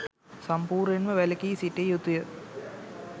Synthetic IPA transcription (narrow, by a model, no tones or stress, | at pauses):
sɐmpuːrenmɐʋelɐkːiːsitːejut̪ːujɐ